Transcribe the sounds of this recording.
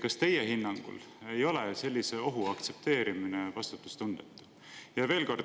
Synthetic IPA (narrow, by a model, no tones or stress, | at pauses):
kɑst̪e̞jeɦinːɑŋɡ̥ṵl | ejo̞lese̞lʲːiseo̞ɦuɑkt̪se̞p̚t̪e̞ːɾiminevɑst̪ut̪ːˑu̥st̪und̪̥et̪ˑːu̥ | jɑve̞ːlko̞r